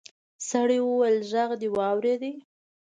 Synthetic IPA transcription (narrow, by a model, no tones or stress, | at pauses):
saɽiwəwajlʒaɣd̪ewɑwɾed̪i